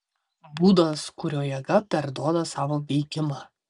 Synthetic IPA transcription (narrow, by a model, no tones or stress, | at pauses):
buːd̪ɐskʊɾʲoːjɛɡɐpʲɛɾd̪uɔd̪ɐsɑːʋoːʋʲɛɪɡʲɪmɑː